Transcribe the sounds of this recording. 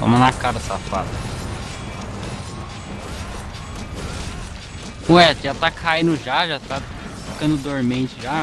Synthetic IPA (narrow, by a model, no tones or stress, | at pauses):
vɐ̰̃mɐnakaɾɐsafa̰d̪ɐ | ũɛʒat̪akʰaĩnʊʒaʒat̪a | fikɐ̃nd̪ʊd̪oɾmẽt͡ʃɪʒa